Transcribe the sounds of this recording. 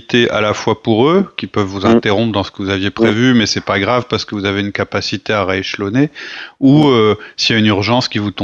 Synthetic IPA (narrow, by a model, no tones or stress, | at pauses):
t̪eʔa̰lafwapuʁøkʲipœvːuzɛ̃t̪eʁɔ̃pχd̪ɑ̃sə̥kəvuzavjepχevymɛsɛpaɡʁavpaʁsə̥kəvuzaveynkapasit̪eaʁaeʃlɔneuøsijaynyʁʒɑ̃skʲivut̪ɔ̃